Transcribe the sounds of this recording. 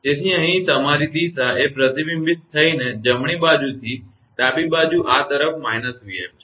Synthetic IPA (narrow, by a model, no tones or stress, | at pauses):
d͡ʒet̪ʰiə̃ɦĩt̪əmaɾid̪isaʔepɾət̪ibimbɪt̪̚t̪ʰːəined͡ʒəmɽ̃ibad͡ʒut̪ʰi | t̪abibad͡ʒuʔat̪əɾəfmaɦnət̪ɦuia̰ʋit͡ʃʰ